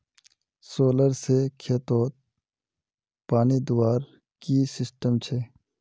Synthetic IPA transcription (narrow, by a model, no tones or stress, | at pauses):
soːləɾsekʰet̪oːt̪̚ | paːnid̪ʊwaːɾ | kisɪsʈəmt͡ʃʰe